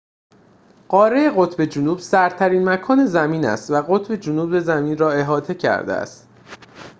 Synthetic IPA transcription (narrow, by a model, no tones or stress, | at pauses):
ɢ̥ɒːɾeeɣo̞t̪ʰbe̞d͡ʒunuːbsæɾt̪ʰæɾiːnmækʰɒːne̞zæmiːnæ̰st̪væɣo̞t̪ʰbe̞d͡ʒunuːbe̞zæmiːnrɒːe̞ɦɒːt̪ʰe̞cʰæ̰ɾd̪ḛæ̰st̪